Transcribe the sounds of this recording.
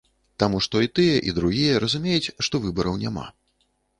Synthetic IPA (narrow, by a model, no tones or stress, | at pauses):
t̪amuʂt̪ɔit̪ɨjɐʔid̪ɾuɣʲijɐɾɐzumʲejɛt͡sʲʂt̪ɔvɨbɐɾɐwnʲama̰